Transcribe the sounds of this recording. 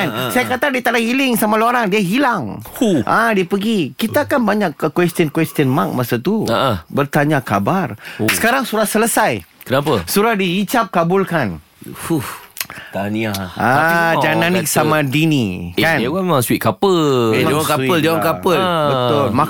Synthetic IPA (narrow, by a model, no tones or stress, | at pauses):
nsajakat̪adit̪anahilɪŋsamãloaɾaŋdiaɦilaŋʔadiapəɡikit̪aːkanbaɲakkwɛst̪ənkwɛst̪ənmak̚masat̪uaabərt̪aɲakabarsə̥kaɾaŋsuɾahsələsajkənapəsuɾahdiit͡ʃap̚kabʊlkan | hu | t̪anaad͡ʒaananɪk̚samãdinikanamemãŋswit̪̚kapəlmwŋkapəld͡ʒawaŋkapəlbət̪ʊlma